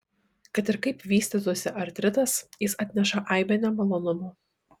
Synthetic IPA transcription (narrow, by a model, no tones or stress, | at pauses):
kɐt̪ɪɾkɐɪpʋʲiːsʲt̪ʲɪt̪̬uɔsʲɪʔɐɾʲt̪ʲɾʲɪt̪ɐsjɪsɐt̪ʲnʲɛʃɐʔɐɪbʲɛnʲɛmɐlˠoːnʊmʊ